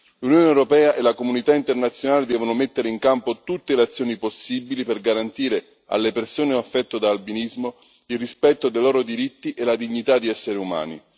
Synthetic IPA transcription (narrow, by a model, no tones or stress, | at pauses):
lunjoːneewɾopɛːaʔelakomunit̪aint̪ernat̪sjonaːled̪ɛːvonomet̪ːeɾeiŋkampot̪ut̪ːeleat̪sːjoːniposːibiliperɡaɾant̪iːɾe | a̰lːepersoːneafːɛt̪ːod̪aːlbinizmo | ilrispɛt̪ːod̪ejlɔːɾod̪iɾit̪ːiʔelad̪iɲːit̪ad̪iɛsːeɾeuma̰ːnḭ